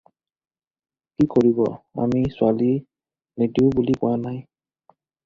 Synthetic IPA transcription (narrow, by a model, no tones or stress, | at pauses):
kikoɹibɔ̰a̰misʊali | nediʊbulikʊwanaj